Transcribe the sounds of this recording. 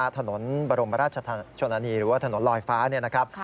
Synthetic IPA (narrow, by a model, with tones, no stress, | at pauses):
t̪ʰa˧no˩˦nbaː˧ɾo˧mpa˧ɾaː˥˩t͡ɕʰa˧t̪ʰa˧t͡ɕʰo˧na˧˥niː˧ɾɯː˩˦waː˥˩t̪ʰa˧no˩˦nlɔː˧jfaː˦˥ni˥˩ɐna˦˥kʰɾa˦˥p̚